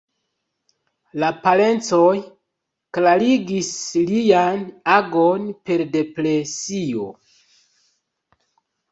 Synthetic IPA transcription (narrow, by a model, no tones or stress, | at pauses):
lapale̞nt͡so̞j | klaɾiɡislijanaɡo̞npe̞ɾde̞pɾe̞sio̞̰